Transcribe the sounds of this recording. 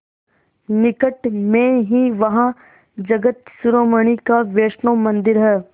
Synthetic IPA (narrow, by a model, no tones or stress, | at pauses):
nɪkəʈmẽɦiʋɐɦã | d͡ʒɐɡət̪sʊɾoːməɽ̃ikaʋeːʃnõmɐ̃nd̪ɪɾɦɛː